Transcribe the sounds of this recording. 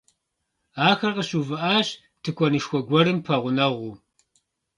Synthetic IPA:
aːxɐrqəɕuːvɨʔaːɕ | tʰɨkʷʰɔnɨʃxʷɔɡʷɔɾɨmpʰɐʁʷʊnɐʁʷuː

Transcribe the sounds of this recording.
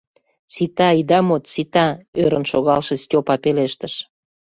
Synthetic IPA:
sit̪ɑid̪ɑmot̪sit̪ɑøɾə̆nʃoɣɑlʃĕstʲopɑpeleʃt̪əʃ

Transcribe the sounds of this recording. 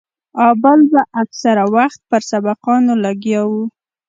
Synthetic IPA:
ɑbəlbaʔaksaɾawaxt̪̚pəɾsabaqɑnolaɡjɑwu

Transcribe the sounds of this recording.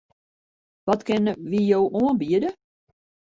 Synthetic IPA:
ʋɔtkɪnʋijowʔuənbiədə

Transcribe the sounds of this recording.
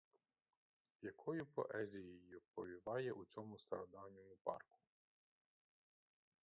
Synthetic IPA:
jɐkʰɔjʊpɔ̰ʔɛzʲijɔjʊpɔʋʲiʋɑjɛʔut͡sʲɔmʊst̪ɐɾɔd̪ɑwnʲɔjʊpɑ̰rkʊ̥

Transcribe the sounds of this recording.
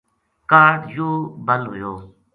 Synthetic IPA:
kaːɖjoːbəlɦʊ̰joː

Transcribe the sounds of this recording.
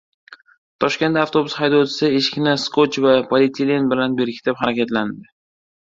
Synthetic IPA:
t̪ʰɒʃkʲe̞nt̪aft̪ʰo̞bʊshajd̪ɒt̪ʰɪ̥sɪeʃɪ̥kʲʰɪnaskʰot͡ʃvapʰalʲit̪ʲʰilʲinbɪlanbe̞ɾkʲʰɪ̥t̪ʰɪphaɾakʲʰat̪land̪ɪ

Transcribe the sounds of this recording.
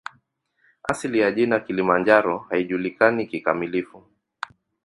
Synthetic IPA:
asilijaʄinakilimand͡ʒaɾɔhaiʄulikanikikamilifu

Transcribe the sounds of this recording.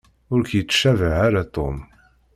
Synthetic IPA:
ʊɾkjət͡sːʃævəʕaɾat̪ˤom

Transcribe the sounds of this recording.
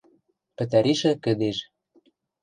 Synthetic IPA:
pɘ̆t̪æɾiʃɘ̆kɘ̆d̪eʃ

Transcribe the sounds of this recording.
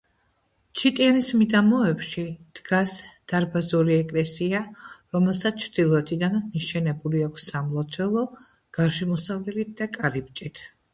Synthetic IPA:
t͡ʃʰit̪ʼianismid̪amɔɛpʃid̪̥ɡasd̪̥aɾbazuɾiɛkʼlɛsiaɾɔmɛlˠsat̪sʰt͡ʃʰɾd̪̥ilˠɔɛt̪ʰid̪anmiʃɛnɛbuliakʷʰsːamlˠɔt̪sʰɛlˠɔ | ɡ̥aɾʃɛmɔsavlɛlit̪̚d̪akʼaɾip̚t͡ʃʼit̪ʰ

